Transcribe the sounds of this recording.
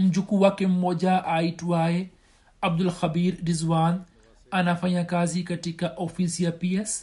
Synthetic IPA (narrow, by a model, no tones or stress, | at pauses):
md͡ʒukuwakemoːd͡ʒaʔaːiʈwaːe | ɐb̚d̪ʊlxɐbiːɾɾɪzwaːn | ɐnɐfɐjãkaːzikɐʈikaʔoːfisijapies